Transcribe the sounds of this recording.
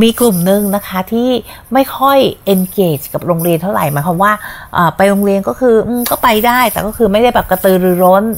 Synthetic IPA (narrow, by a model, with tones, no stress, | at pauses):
miː˧klu˨˩mnɯ˧ŋna˦˥kʰa˦˥t̪ʰiː˥˩ma˥˩jkʰɔ˥˩jʔe˧nkeː˨˩t͡ɕka˨˩p̚ɾoː˧ŋɾi˧ənt̪ʰa˥˩wɾa̰˨˩jmaː˨˦jkʰɔː˧mwaː˥˩ʔaː˨˩pa˧jɾoː˧ŋɾi˧ənkɔː˥˩kʰɯː˧ʔɯː˧mkɔː˥˩pa˧jdaː˥˩jt̪ɛː˨˩kɔː˥˩kʰɯː˧ma˥˩jda˥˩jbɛː˨˩p̚ka˧t̪ɯː˧ɾɯː˩˦ɾo˦˥n